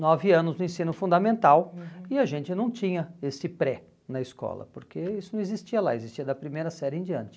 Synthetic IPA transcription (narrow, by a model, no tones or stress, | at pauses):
nɔvɪɐ̃nʊznʊẽsĩnʊfũnd̪ɐmẽnt̪awɪaʒẽnt͡ʃɪnɐ̃w̃t͡ʃĩɲɐesɪpɾɛ | nɐɪskɔ̰lɐ̰poɾkeisʊnɐ̃ɪzist͡ʃiɐlaezist͡ʃiɐd̪ɐpɾimejɾɐsɛɾɪẽd͡ʒiɐ̃nt͡ʃɪ̥